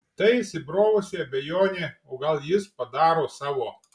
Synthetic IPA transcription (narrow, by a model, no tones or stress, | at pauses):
t̪ɐɪsʲɪbɾoːʋʊsʲeɐbʲɛjoːnʲeːoːɡɐlˠjɪspɐd̪ɑːɾoːsɑːʋoː